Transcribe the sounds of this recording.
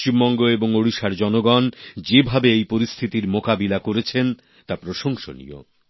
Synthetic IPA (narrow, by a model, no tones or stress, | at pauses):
t͡ɕimbɔŋɡoeboŋoɽiʃaɾd͡ʑɔnoɡɔnd͡ʑebʱabeejpoɾist̪ʰit̪iɾmokabilakoɾet͡ɕʰen | t̪apɾoʃoŋʃo̰nḭo̰